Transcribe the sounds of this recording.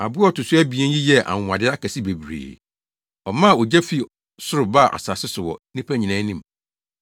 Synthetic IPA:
a˨bʊ˦ɔ˦tʊ˨sʊ˦æ˦bi˨ɛ̃˦n˦ji˦jɛ˦˨ʔa̰˨ŋʷ˨ã˨dɪ˦a˦kæ˨si˦be˨bɾḛː˨ | ɔ˨mã˦˨o˨d͡ʑæ˦fi˨ | sʊ˦ɾʊ˨ba˦˨ʔa̰˨sa˨sɪ˦sʊ˨wɔ̰˨nĩ˦pʰæ˦ɲĩ˨nã˦nĩ˦m˨

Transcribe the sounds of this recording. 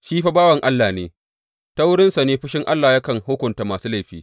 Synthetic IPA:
ʃiː˦ɸa˦baː˦wɐ˨ŋʔa˦lːaː˨neː˨ | ta˦wʊ˦ɽɪ˦nsa˨neː˦ɸɪ˦ʃɪ˦ŋʔa˦lːaː˨ja˦kɐ˨ŋhʊː˦kʷʊ˨nta˨maː˨suː˦la˦jɸiː˦

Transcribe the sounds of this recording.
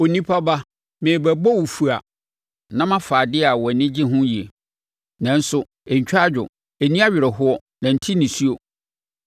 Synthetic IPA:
o˨nĩ˦pʰa˦ba˦ | mɪ̃˨bɛ˨bɔ˦wu˨fu˨a˨ | nã˦mã˦faː˨dɪ˦a˨wɔ˨nɪ̃˦d͡ʑɪ˦ɦʊ̃˦ji˨e˨ | nã˨n̩˦sʊ˨ | ɛ˨ɲ̩˨t͡ɕᶣa˦d͡ʑᶣʊ˨ | e˨nĩ˦a˦ɥɪ˨ɾɛ˨ɦʊ˦ɔ˦ | nã˨n̩˦tʰi˦nĩ˨su˦o˨

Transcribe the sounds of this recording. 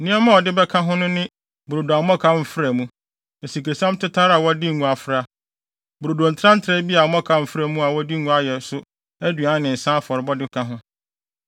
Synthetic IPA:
nĩ˦ɛ˦mã˦ɔ˨dɪ˦bɛ˦kʰã˦ɦʊ̃˦nʊ̃˦nɪ̃˦ | bʊ˨ɾo˨da˨mɔ̃˦kʰa˦m̩˨fɪ˦ɾæ˨mũ˦ | e˨si˨ke˨sã˦mtʰɪ˦tʰa˦ɾa˨wɔ˦di˦˨ŋũ˨a˨fɾa˦ | bʊ˨ɾo˨dõ˨n̩˨tʰɾã˦n̩˦tʰɾɛ˦bi˦a˨˦mɔ̃˦kʰa˨m̩˨fɾæ˨mũ˦a˨wɔ˦di˦ŋũ˦a˦jɛ˨sʊ˦ | æ˦dɥa˨˦nɪ̃˨n̩˨sã˦fɔ˨ɾɪ˨bɔ˦dɪ˦kʰã˦ɦʊ̃˦

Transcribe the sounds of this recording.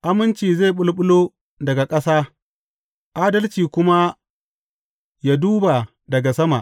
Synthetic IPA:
ʔa˦mɪ˦nt͡ʃiː˨ze˦˨ɓʊ˦lɓʊ˦lo˦ | dɐ˨ɡa˨kʼɐ˦saː˦ | ʔa˦dɐ˦lt͡ʃiː˨kʷʊ˦ma˦ | ja˦duː˦ba˨ | dɐ˨ɡa˨sɐ˦ma̰˨ʔ

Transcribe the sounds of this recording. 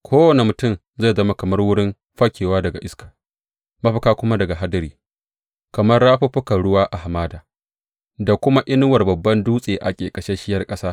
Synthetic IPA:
kʷʰoː˦wɐ˨ne˨mʊ˨tʊ˦˨m | ze˦˨zɐ˦ma˨˦kɐ˨mɐ˦rwʊ˦ɽɪ˦m | ɸɐ˦kʲeː˨waː˦dɐ˨ɡa˨ʔɪ˦skḁ˨ | mɐ˦ɸɐ˨kaː˦kʷʊ˦ma˦dɐ˨ɡa˨ɦa˦dɐ˦ɾiː˨ | kɐ˨mɐ˦rːaː˦ɸɐ˦ɸʊ˦kɐ˨ɽʊ˦waː˦ʔa˨ha˨maː˦daː˨ | da˨kʷʊ˦ma˦ʔɪ˦nʊ˦wɐ˨rbɐ˨bːɐ˦nduː˦sʼeː˨ʔa̰˨kʲʼeː˨kʼɐ˨ʃe˦ʃɪ˦jɐ˨rkʼɐ˦saː˦

